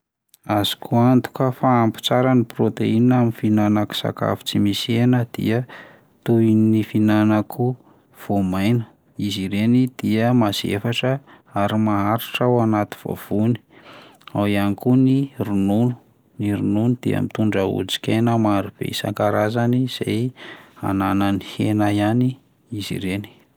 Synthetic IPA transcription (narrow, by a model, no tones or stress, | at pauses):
az̥i̥kʰuant̪u̥kəfaːmpu̥t͡saɾaniprot̪einaminfinanaku̥sa̰ka̰fu̥t͡simisienəd̪̥ḭə | t̪uinnifinanakʰu | v̥omajnə̥ | iziɾenid̪̥iəmaz̥ḛfaʈ͡ʂə | aɾimaɦaɾiʈ͡ʂawanat̪i̥v̥o̰v̥uni̥ | awianikunirununu̥ | niɾununud̪̥iə̰mit̪uɳɖ͡ʐəṵd͡zi̥kʲenəmaɾub̥ḛisa̰ŋkaɾazaniz̥ḛja̰nananihenajani | izḭɾeni̥